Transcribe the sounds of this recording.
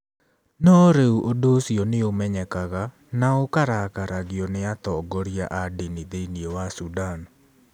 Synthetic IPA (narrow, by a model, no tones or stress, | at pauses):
nɔːɾeuʔodosjonɪomɛɲɛkaɣa | naokaɾakaɾaɡɪɔnɪat̪ɔɡɔɾjaʔadɪnɪd̪eniowasudan